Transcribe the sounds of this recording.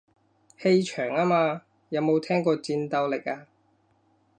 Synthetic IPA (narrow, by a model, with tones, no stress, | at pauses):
he˧jt͡ʃʰœː˨˩ŋaː˥maː˧ | jɐ˨˧wmo˨˧wt̪ʰɛː˥ŋkɔː˧t͡siː˧nt̪ɐ˧wlɪ˨k̚aː˧